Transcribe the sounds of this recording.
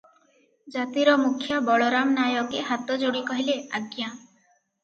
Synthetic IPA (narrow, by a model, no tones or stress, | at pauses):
d͡ʒat̪iɾɔmukʰːjabɔɭɔɾamnajɔkeɦat̪ɔd͡ʒoɽikɔɦileaɡja